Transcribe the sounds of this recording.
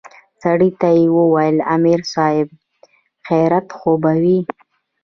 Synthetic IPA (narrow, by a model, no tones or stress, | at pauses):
saɽit̪ajewəwajəlamiɾsɑɪb̚ | xajɾat̪xobawi